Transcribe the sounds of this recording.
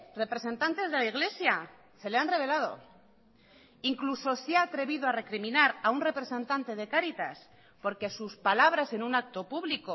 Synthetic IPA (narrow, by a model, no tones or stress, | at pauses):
re̞pɾe̞se̞nt̪ant̪e̞zðe̞laiɣ̞le̞sja | se̞leanre̞β̞e̞lað̞o̞̰ | iŋkluso̞seaːt̪ɾe̞βiðo̞are̞kɾimĩnaɾaunre̞pɾe̞se̞nt̪ant̪e̞ð̞e̞kaɾit̪as | po̞ɾke̞suspalaβ̞ɾase̞nũnak̚t̪o̞puβliko